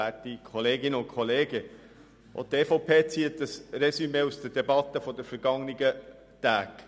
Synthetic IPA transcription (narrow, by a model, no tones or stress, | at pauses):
ætikʰɔleːɡɪnəʊnkʰɔleːɡə | ʔo̰t̪ʰːeːfɔʊpʰeːt͡siːət̚d̥əsrɛsymeːusd̥ədɛbɑt̪ːəfɔdəfəɾɡ̥ɑŋniɡə | t̪æːɡ̥